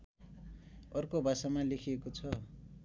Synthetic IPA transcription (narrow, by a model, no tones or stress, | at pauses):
ʌrkobʱasamalekʰiekot͡sʰʌ